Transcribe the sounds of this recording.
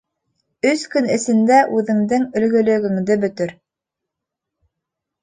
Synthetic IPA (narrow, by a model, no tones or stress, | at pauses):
ɵskɵnɘ̆sɘ̆nd̪æʔʉðɘ̆ŋd̪ɘŋɵ̆lɡɵ̆lɵ̆ɡɘ̆ŋd̪ɘbɵ̆t̪ɵɾ